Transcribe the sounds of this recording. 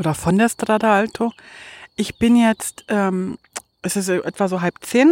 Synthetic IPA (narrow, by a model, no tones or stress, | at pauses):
ʔoːdɐfɔndeːɐstʁ̥aːdaaltʰoʔɪçb̥ɪnjɛt͡stʔɛːm | ʔɛsɪsʔɛtv̥azoːɦalpt͡seːn